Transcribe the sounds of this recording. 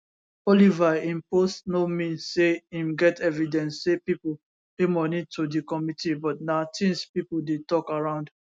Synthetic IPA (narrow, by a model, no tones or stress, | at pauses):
ɔlivaĩmpostnomĩnsːeĩmɡɛtɛvidɛ̃nsːepipol | kemɔnitʰudikɔmitʰibɔtnatʰĩnspipuldetɔkaɹãʊ̃nd̥